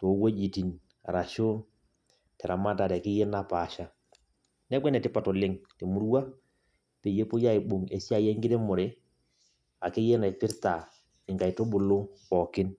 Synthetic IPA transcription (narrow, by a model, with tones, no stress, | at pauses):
to˨˦wo˦d͡ʒi˨ti˨n | a̰˨ɾa˨ʃo˦ | tɛ˨ɾʔa˨ma˦ta˨ɾɛ˨kɪ˦je˦na˦pa˨ʃa˦ | nɛ˦kwɛ˦nɛ˨tɪ˦pa˨to˨lɪ˦ŋte˨mu˦ɾwa˦ | pe˨je˦po˦ja˦i˨ɓo˨ŋḛ˨sja˦jɛ˦ŋɡɪ˦ɾe˦mʊ˨ɾe˦ | a˨ke˦je˦na˨pɪ˦ɾta˨ | ɪ˨ŋɡa˨i˨to˦ɓʊ˨lo˦kɔ˨kɪ˦n